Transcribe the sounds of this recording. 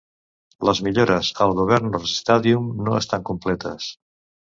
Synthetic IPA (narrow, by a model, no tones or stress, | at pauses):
ləzmiʎoɾəzəlˠɣuβ̞ɛɾnorəzist̪aðiumnoəst̪aŋkumplɛt̪ə̰s